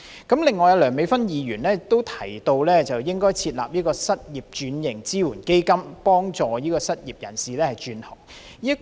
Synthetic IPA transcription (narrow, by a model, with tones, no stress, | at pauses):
kɐ˨˥mlɪ˨˩ŋːɔː˨˩jɐ˧lœː˨˩ŋme˨˥jfɐ˥njiː˨˧jyː˨˩nɛː˥t̪o˥wt̪ʰɐ˨˩jt̪o˧wlɛː˥t͡sɐ˨wjɪ˥ŋkɔː˥jt͡sʰiː˧t̚la̰ː˨p̚jiː˥kɔː˧sɐ˥t̚jiː˨p̚t͡ʃyː˨˧˥njɪ˨˩ŋt͡siː˥wuː˨˩nke˥jkɐ˥mpɔː˥ŋt͡sɔː˨jiː˥kɔː˧sɐ˥t̚jiː˨p̚jɐ̰˨˩nsiː˨lɛː˥hɐ˨jt͡ʃyː˨˧nhɔː˨˩ŋ | jiː˥